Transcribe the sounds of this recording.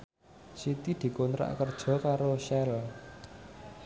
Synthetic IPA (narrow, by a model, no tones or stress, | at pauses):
sit̪id̪̥i̤kont̪ɾa̰ʔkərd̥ʒ̥ɔ̤kaɾoʃɛl